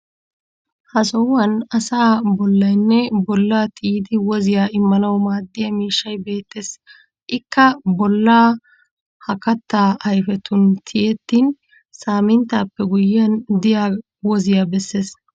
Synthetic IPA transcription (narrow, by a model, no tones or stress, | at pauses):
hɐsɔwːɐnɐsaːbɔlːɐjnːɛbɔlːaːt̪ɪːd̪ɪwɔzɪjaːɪmːɐnɐwmaːd̪ːɪjɐmiːʃːɐjbe̞ːt̪ːeːs | ʔɪkːɐbɔlːaː | hɐkɐt̪ːaːʔɐjfɛt̪ʰʊnt̪ʰɪjɛt̪ːiːn | saːmɪnt̪aːpːɛɡʊjːɐnd̪ɪja | wɔzɪjabɛsːe̞ːs